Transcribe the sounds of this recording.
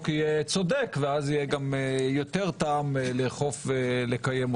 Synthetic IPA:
kijet͡so̞d̪ekveazijeɡamjo̞t̪e̞ʁt̪aamleχo̞fvelekajemo

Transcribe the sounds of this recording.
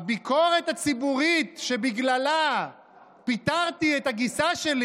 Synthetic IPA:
abikʰoʁet̪hat͡sibuʁit̪ʃebiɡlala | pit̪aʁt̪ietaɡisaʃeli

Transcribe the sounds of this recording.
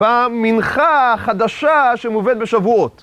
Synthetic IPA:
aminχaχad̪aʃaʃemuved̪̚beʃavuot̪

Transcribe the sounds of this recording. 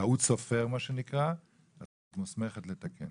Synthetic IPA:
autsofe̞ʁmaʃenikʁa | a | tmusme̞χet̪let̪akḛn

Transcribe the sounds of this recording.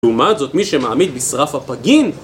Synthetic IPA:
umat̪zot̪miʃemaːmid̪bisʁafhapaɡin

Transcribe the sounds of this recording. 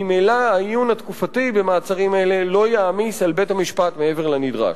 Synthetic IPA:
imejlaaijunhat̪kufatibe̞maːt͡saʁimele̞lo̞jaːmisalbe̞thamiʃpat̪mee̞veʁlenidʁa̰ʃ

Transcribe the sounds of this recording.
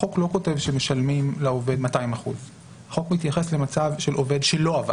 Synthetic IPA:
o̞klo̞ko̞te̞vʃemeʃalmimlao̞ve̞d̪mataimaχuz | haχo̞kmit̪jaχesle̞mat͡savʃelo̞ve̞d̪ʃelo̞ava̰

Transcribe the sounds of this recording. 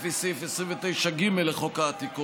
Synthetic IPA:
fesifesʁiɱvet̪e̞jʃaɡimelːeχokaːt̪iku

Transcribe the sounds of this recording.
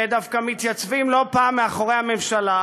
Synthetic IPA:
ed̪afkamit̪jat͡svimlo̞paːmːeaχo̞ʁehamemʃala

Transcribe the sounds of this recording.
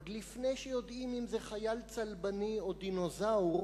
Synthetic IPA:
dlifnejʃejo̞d̪imimzeχajalt͡salbanio̞d̪ino̞zaw

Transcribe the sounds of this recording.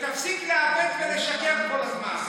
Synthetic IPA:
t̪afsikleabet̪veleʃakefko̞lazma̰n

